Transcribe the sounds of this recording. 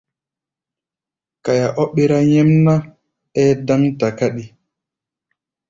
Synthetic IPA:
ka˨ja˨ʔo˦ɓi˦ɾa˦jɛ˦mna˦ | ɛ˦da˦ŋta˨ka˦ɗi˦

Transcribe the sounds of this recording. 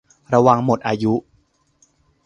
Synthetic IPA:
ɾa˧wa˧ŋmo˨˩t̪̚ʔaː˧ju˦˥

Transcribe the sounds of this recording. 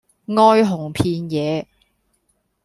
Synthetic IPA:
ŋɔː˥jɦʊ˨˩ŋpʰiː˧njɛː˨˦

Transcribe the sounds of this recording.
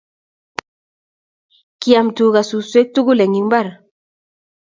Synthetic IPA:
ki˨a˨mtu˨ka˨su˨swe˦k̚tu˦ɡu˦lɛ˨ŋi˨mba˦˨ɾ

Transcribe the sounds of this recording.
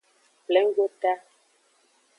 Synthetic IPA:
plɛ˨˦ŋ˦ɡo˦ta˦

